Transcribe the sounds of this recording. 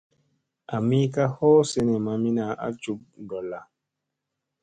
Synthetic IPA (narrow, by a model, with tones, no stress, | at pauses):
a˨mi˦ka˦hɔ˦se˦nɛ˨ma˨mi˦na˨ʔa̰˦t͡ʃu˦p̚dɔ˨la˨